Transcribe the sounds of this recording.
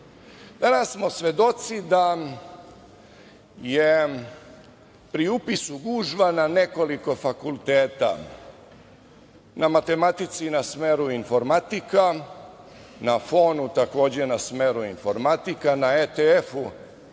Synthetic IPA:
d̪̥anasːmo̞sʋe̞d̪o̞t̪sid̪a | je | pɾiupisuɡuːʒʋanane̞ko̞liko̞fakulˠt̪eːt̪a̰ | nʔamat̪e̞mat̪it̪sinasmeːɾuinfo̞ɾmat̪ika | nafo̞ːnut̪ako̞ːd͡ʑe̞nasmeːɾuinfo̞ɾmat̪ikanaet̪eefu

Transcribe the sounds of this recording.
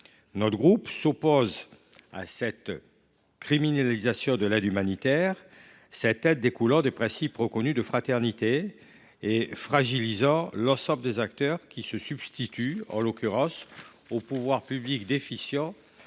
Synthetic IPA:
nɔt̪ɡʁupsopoz | a̰sɛt̪ | kχiminalizasjɔ̃d̪əlɛd̪ymanit̪ɛʁ | sɛt̪ɛd̪̚dːekulɑ̃d̪epχɛ̃sipʁəkɔnyd̪əfχat̪ɛʁnit̪eː | fχaʒilizɑ̃lɑ̃sɑ̃bləd̪ezakt̪œʁkʲisəsybst̪it̪ʰyɑ̰̃lɔkʲyʁɑ̃s | opuvwaʁpyblikd̪efisjɑ̃

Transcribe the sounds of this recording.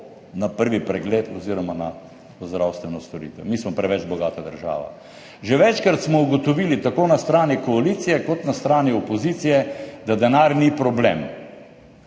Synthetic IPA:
napəɾʋipɾɛɡlet̪ɔziɾɔmana | zd̪ɾawst̪ʋɛnɔst̪ɔɾḭt̪ʋɛ̰mismɔpɾɛʋɛt͡ʃbɔɡaːt̪ad̪əɾʒa̰ːʋa̰ | ʒeʋɛt͡ʃkɾat̪smɔuɡɔt̪ɔʋiːlit̪akoːnast̪ɾaːnikɔaliːt̪sijɛkɔt̪nast̪ɾaːniɔpɔziːt̪sijɛd̪ad̪ɛnaːɾnipɾɔbleːm

